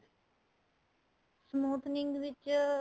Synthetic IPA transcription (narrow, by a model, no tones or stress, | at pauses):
smuːt̪niŋɡʋit͡ʃ